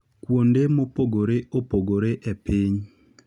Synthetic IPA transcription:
kwondemopoɡoɾeopoɡoɾeʔepiɲ

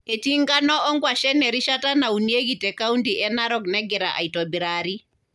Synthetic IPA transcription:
etiŋɡanɔʔɔŋɡwaʃɛnɛɾiʃatanaunieɡitɛkauntiʔɛnaɾɔknɛɡɛɾaʔa̰itɔbiɾaɾi

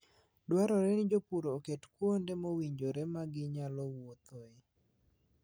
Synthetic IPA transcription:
dwaɾɔɾɛnɪd͡ʒopuɾoːketkwondɛmowiɲd͡ʒoɾɛmaɡɪɲalɔwot̪oe

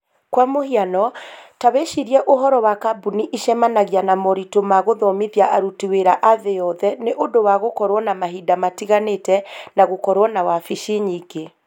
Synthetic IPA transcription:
kwamohianɔtaweʃiɾiɛʔoɦɔɾɔwakabuniʔiʃɛmanaɣjanamɔɾitomaɣoðɔmiðjaʔaɾutiweɾaʔaðejɔðɛneʔondowaɣokɔɾwɔnamaɦidamatiɣanetɛnaɣokɔɾwɔnawafiʃiɲiɡe

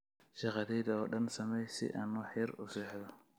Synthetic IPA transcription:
ʃɑqɑðɛjðɐɔːɖɐnsɐmɛjsɪ̰ʔaːnwɑħjɐrʊsɛːħðɔ

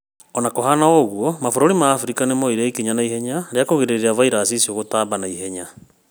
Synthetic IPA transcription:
ɔnakoɦanaɔɣuɔmafoɾoɾimaːfuɾikanemoiɾaikiɲanaihɛɲaɾeakoɣeɾeɾiavaiɾaːsisioɣotaːbanaiɦɛɲa

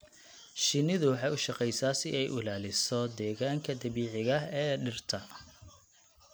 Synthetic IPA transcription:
ʃɪnɪðʊwɑħɑjʊʃɑqɛjsaːsɪɛjʔʊlaːlɪsɔd̪ɛːɣaːŋkʰɐd̪ɐβiːʕɪɣɐɛːɖɪrt̪ʰɐ

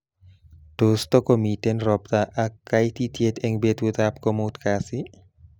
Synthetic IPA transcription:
d̥ost̪ɔkɔmitenɾɔp̚t̪aʔakːajt̪it̪iet̪ɛŋbet̪ut̪apkɔmut̪kasi

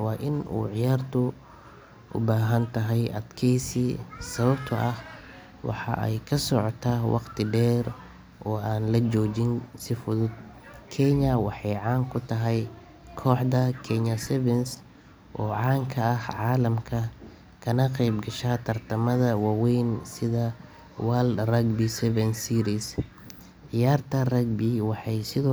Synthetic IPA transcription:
wɑːʔɪnṵːʕɪjaːrt̪ʰʊ | ʔʊ̰baːɦɐnt̪ʰɐɦɛjʔɐ̰d̪kʰɛjsiːsɐβɐbt̪ʰɐʔɐh | wɑ̰ħɑ̰ʔɛ̰jkʰɐsɔʕɔt̪ʰaːwʔɑ̰qt̪ʰɪɖɛːɾ | ʔɔːaːnlɐd͡ʒɔːt͡ʃɪnsɪfʊðʊd̪̚ | kʰɛɲɐwɑħɑjʕɑːŋkʰʊt̪ʰɐɦɛj | kʰɔːħd̪ɐkʰɛɲɐsɛβɛns | ʔɔːʕɑːŋkʰɐɐhʕɑːlɐmkʰɐ | kʰɐnɐqɛjbɡɐʃaːt̪ʰɐrt̪ʰɐmɐðɐwɑːwɛjnsɪðɐ | waːld̪rɐɡbisɛβɛnsiːɾis | ʕɪjaːrt̪ʰɐrɐɡ̚biwɑħɑjsɪðɔː

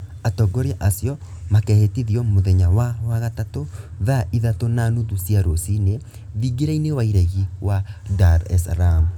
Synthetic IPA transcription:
atɔɡɔɾeaʔasjɔmakɛhetiðiɔmoðɛɲawawaɣatatoðaʔiðatonanuðusiaɾosine | ðiɡiɾainewaiɾɛɣiwadaɾɛ̰sɾam

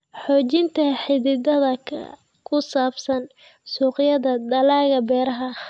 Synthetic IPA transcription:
ħɔːt͡ʃɪnt̪ʰɐħɪðɪd̪ɐðɐ | kʰʊsaːbsɐn | suːqjɐðɐd̪ɐlaːɣɐbɛːɾɐɦɐ

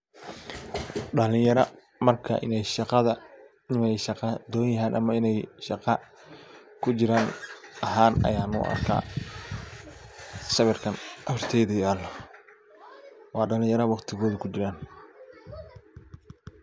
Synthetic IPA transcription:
ɖɐlɪjɐɾɐ̰ | mɐrkʰɐ̰ʔɪ̰nɛjʃɑqɑðɐ | ɪmɛjʃɑqɑd̪ɔːjjɐɦaːnʔɐmɐɪnɛjʃɑqɑ | kʰʊt͡ʃɪɾaːnɐɦaːnɐ̰jaːnʊ̰ʔɐ̰rkʰa̰ː | sɐβɛrkʰɐnʔɐfrt̪ʰɛjðɐjaːl | wɑːɖɐlɪ̃jɐɾɐwɑqt̪ʰɪɣɔːðɐkʰʊt͡ʃɪɾaːn

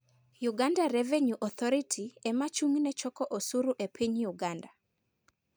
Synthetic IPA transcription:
juɡandaɾeveɲuʔɔt̪ʰɔɾitʰiɛmat͡ʃuŋnɛt͡ʃɔkɔʔosuɾuʔepʰiɲjuɡanda

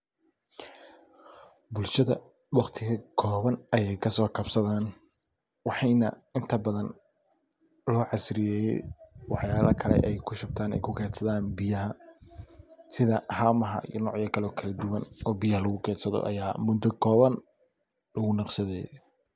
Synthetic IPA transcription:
bʊlʃɐðɐ | wɑχt̪ʰɪɣɐkʰɔːβɐnɐjɛjkʰɐsɔːkʰɐbsɐðaːn | wɑħɑjnɐ̰ | ɪnt̪ʰɐbɐðɐn | lɔːʕɑsɾɪjɛːjɛ̰jwɑħjaːlɐkʰɐlɛ̰ʔɛjkʰʊʃɐb̚t̪ʰaːnɛ̰jkʰʊkʰɛːsɐðaːnbɪjɐɦɐ | sɪðɐhaːmɐɦɐ̰ʔḭjnɔ̰ːʕjɐkʰɐlɔːkʰɐlɐd̪ʊwɐnɔːbijɐhɐlɐɣʊkʰɛːsɐðɔ̰ʔɐ̰jaːmʊd̪ɔkʰɔːβɐn | lɐɣʊnɑqsɐðɛ̰j

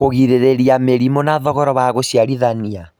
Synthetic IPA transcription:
oɣiɾeɾeɾiameɾimonaðɔɣɔɾɔβaɣoɕiaɾiðania

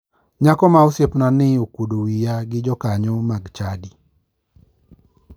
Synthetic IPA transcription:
ɲakɔmaosjepnanɪokodowijaɡɪd͡ʒɔkaɲɔmaɡt͡ʃadi

